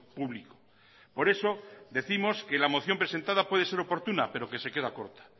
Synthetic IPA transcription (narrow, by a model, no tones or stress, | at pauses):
puβliko̥ | po̞ɾe̞soðe̞θimo̞skelamo̞θjo̞mpɾe̞se̞nt̪aðapwe̞ð̞e̞seɾopo̞ɾt̪unape̞ɾo̞ke̞se̞ke̞ðako̞ɾt̪ḁ